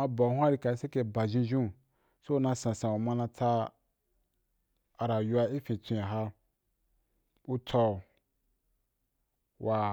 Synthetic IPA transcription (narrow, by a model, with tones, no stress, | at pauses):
ã˧bɔ˨hũ˦a˦ɾi˧ka˨i˧˦se˦ke˧ba˨ʒĩ˧ʒũ˦˨ | so˦˧˦nã˧sã˨sã˨wu˨mã˧nã˧ta˧ | a˨ɾa˨ju˧a˧i˦fĩ˨tũ˧jã˨ɦa˦ | u˦tʰɔ˧˨ | wa˨